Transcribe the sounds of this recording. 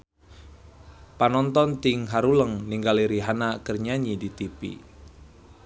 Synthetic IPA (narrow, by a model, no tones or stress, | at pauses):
panɔnt̪ɔnt̪ɪŋɦaɾuləŋniŋɡaliɾiɦanakərɲaɲidit̪ipḭ